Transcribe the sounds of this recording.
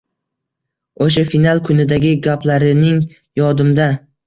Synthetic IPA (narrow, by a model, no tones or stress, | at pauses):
oʃ̬afinalˠkʰʊnɪd̪aɡʲɪɡʲaplaɾɪnɪŋ | jɒd̪ɪmd̪a